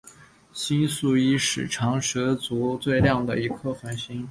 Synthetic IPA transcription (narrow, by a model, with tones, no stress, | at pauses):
ɕi˥nsu˥˩i˥ʂɻ̩˨˩ʈ͡ʂʰɑ˧˥ŋʂɤ˧˥t͡su˧˥t͡swe˥˧ɪljɑ˥˩ŋd̪ə˩i˧˥kʰɤ˥˩xwa˧˥nɕi˥ŋ